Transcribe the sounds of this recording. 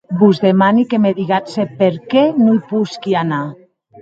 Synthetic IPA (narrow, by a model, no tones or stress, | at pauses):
buzðemanikemeðiɣasepeɾkɛnoipuskiana